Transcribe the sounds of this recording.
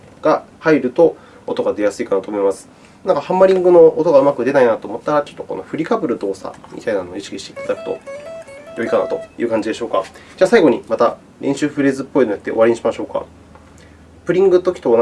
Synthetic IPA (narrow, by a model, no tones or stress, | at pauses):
ɡ̥ahaiɾɯ̟t̪o̞ | ot̪o̞ɡad̪e̞jasɨikanat̪o̞ːmo̞imasɨ̥ | nãŋkahãmːaɾʲĩŋɡɯ̟no̞ot̪o̞ɡaɯ̟makɯ̟d̪e̞nainat̪o̞ːmo̞t̪ːaɾat͡ɕot̪ːo̞ko̞̰no̞̰ɸɯ̟ɾʲikabɯ̟ɾɯ̟d̪o̞ːsa̰mʲḭt̪ainano̞ːiɕi̥kʲiɕt̪ei̥t̪ad̪akɯ̥t̪o̞̰ | jo̞ikana̰t̪o̞jɯ̟ːkãɲ̟d͡ʑid̪e̞ɕo̞ːkad͡ʑaːsaiɡo̞ɲ̟imat̪a | ɾʔẽ̞ɕɨːɸɯ̟ɾezɨpːo̞inojat̪ːe̞o̞βaɾʲeɲiɕimaɕo̞ːka̰ | pɯ̟ɾʲĩŋɡɯt̪o̞kʲi̥t̪on